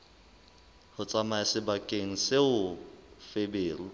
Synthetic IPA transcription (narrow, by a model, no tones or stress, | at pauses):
hʊt͡sʼamaɪsɪbakʼeŋ̩sɪʊfebeːrʊ